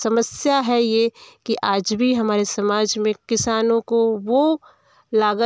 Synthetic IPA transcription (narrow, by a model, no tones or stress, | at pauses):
sɐməsjaɦɛjekiʔaːd͡ʒbʱiɦɐmaːɾesɐmaːd͡ʒmẽkɪsaːnõkoʋo | laːɡə